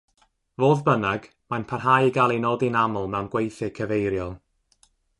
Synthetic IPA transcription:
voːðbənaɡ̥ | manpʰarɦajiɡalˠinoːdinamʊlˠmɛwnɡwejθɨkʰəvejɾjɔlˠ

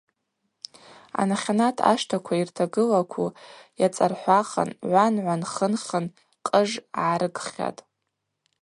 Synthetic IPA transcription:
a̰naχʲanatʰa̰ʂtʰakʷʰairtʰaɡɨlakʷʰujat͡sʼarħʷaχa̰nʕʷanʕʷanχənχʲən | qʼəʐʕaɾɨɡχʲa̰tʼ

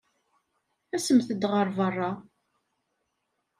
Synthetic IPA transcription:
æsəmθəd̪ʁəɾˤvərˤːɑ

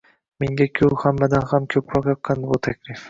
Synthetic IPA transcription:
meŋɡʲakʲʰɵwhamːad̪anhamkʲʰɵpɾɒqjɒt̪̚qɑnd̪ɪbut̪ʰakʲlif

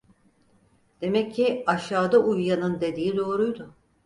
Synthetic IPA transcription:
d̪̥e̞mɛcʰːiaʃaːd̪aʔujjanɯnd̪e̞d̪iːid̪o̞ːɾujd̪ʊ

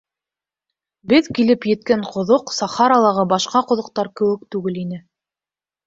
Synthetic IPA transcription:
bɘðkilɘpjɘ̆t̪kæɴqŏðoqsɑχɑɾɑlˠɑʁɤbɑʃqɑqŏðŏq̚t̪ɑɾkɘ̆wɘ̆k̚t̪ʉɡɘlinɘ

